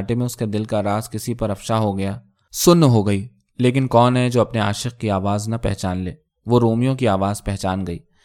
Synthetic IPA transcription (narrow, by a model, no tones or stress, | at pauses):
ʈemẽʊsked̪ɪlkaɾaːzkɪsipɐɾɐfʃaɦoɡɐjaː | sʊnːɦoɡɐiː | leːkɪnkɔːnɦɛd͡ʒoːɐpnea̰ːʃɪq̚kiaːʋaːznɐpɛɦt͡ʃaːnleː | ʋoɾoːmijõkiaːʋaːzpɛɦt͡ʃaːnɡɐḭː